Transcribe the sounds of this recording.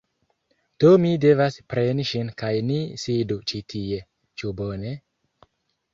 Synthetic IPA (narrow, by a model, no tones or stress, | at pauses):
d̥omide̞vaspɾe̞niʃinkajnisidut͡ʃitʰie̞ | t͡ʃubo̞ne̞